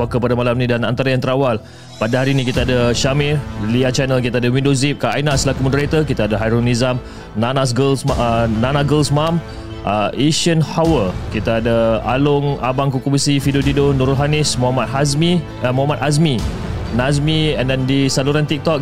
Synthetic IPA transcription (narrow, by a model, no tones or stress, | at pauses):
akəpadamalamnĩdanant̪aɾajaŋt̪əɾawal | padaɦaɾinĩkit̪aadaʃamɪliat͡ʃɛnəlk̬it̪adawĩndozip̚kaajnasəlakumɔdəɾat̪əkit̪aadaɦajɾonizam | nanas̬ɡəlsnanaɡəlsmam | ʔəʔeʃənhawəkit̪aːdəa̰lʊŋa̰baŋkukubəsifidod̪idonuɾʊlɦanɪsmuɦamat̪̚hasmi | muɦamat̪as̬mi | nas̬miɛ̃ndɛndisaluɾant̪ik̚t̪ɔk̚